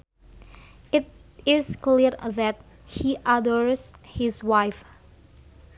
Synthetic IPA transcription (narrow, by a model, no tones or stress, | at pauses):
ɪt̚ɪskliɾðɛt̪̚ | hiʔadəɹshɪswajf